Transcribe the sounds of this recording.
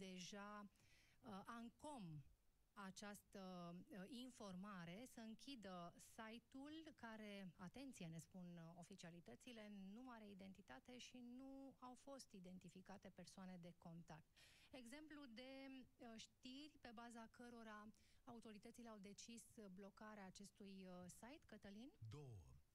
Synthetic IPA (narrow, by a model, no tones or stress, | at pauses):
d̪e̞ʒa | ʔaŋko̞m | at͡ʃast̪ə | info̞rmaɾe̞səɨŋkʲid̪əsajt̪ulkaɾe̞at̪e̞nt̪sijene̞spuno̞fit͡ʃialit̪ət̪sile̞nuaɾe̞id̪e̞nt̪it̪at̪e̞ʃinuawfo̞st̪id̪e̞nt̪ifikat̪e̞pe̞rsoane̞d̪e̞ko̞nt̪ak̚t̪e̞ɡze̞mplud̪e̞ʃt̪irʲpe̞bazakəɾo̞ɾaaut̪o̞ɾit̪ət̪sile̞awd̪e̞t͡ʃisblo̞kaɾeaːt͡ʃe̞st̪ujsajt̪kət̪əlind̪owoə